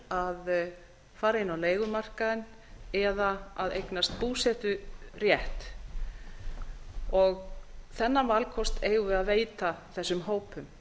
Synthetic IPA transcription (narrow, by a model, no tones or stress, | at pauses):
að | faːɾaɪnawleːjɣʏmar̥kaðɪn | ɛðaaðejknast̪puːsɛt̪ʏrjɛht̪ | ɔɣθɛnːavalkʰɔst̪ʰeːjɣʏaðveːjt̪aθɛsːʏmɦoːwpʏm